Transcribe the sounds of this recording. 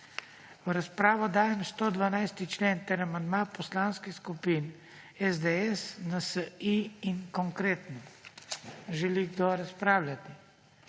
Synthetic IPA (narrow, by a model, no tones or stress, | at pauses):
ʋɾaspɾaːʋɔd̪aːjɛmst̪od̪ʋanajst̪it͡ʃleːnt̪ɛɾamand̪mapɔslaːnskixskupin | ɛzd̪eɛsnasəiːŋkɔŋkɾeːt̪nɔ | ʒɛliɡd̪oɾaspɾaːwlʲjat̪i